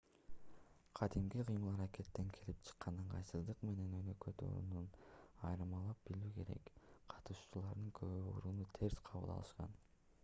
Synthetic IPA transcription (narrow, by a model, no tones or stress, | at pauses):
qʰɑd̪imɡiqʰɯjmɯlˠɑɾake̞t̪ːe̞ŋkʰelip̚t͡ʃʰɯ̥qːɑnɯɴqʰɑ̰jsɯzd̪ɯqme̞ne̞nønø̞køt̪o̰ɾṵnunɑjɾɯmɑlˠɑp̚b̥ilyːke̞ɾe̞̰kqʰɑ̥t̪uʃt͡ʃulˠɑɾd̪ɯŋkʰøβøṵɾuːnut̪ʰe̞ɾsqʰɑβɯ̰lˠɑ̰lˠɯʃqɑ̰n